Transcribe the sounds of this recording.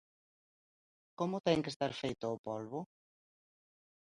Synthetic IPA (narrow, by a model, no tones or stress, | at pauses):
komʊt̪ɛŋkest̪aɾfejt̪ʊːpolβʊ